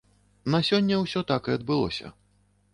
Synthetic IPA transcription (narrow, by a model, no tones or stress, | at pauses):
nɐsʲɔnʲːɐwsʲɔt̪akɨɐd̪̚bɨlˠɔ̰sʲɐ̰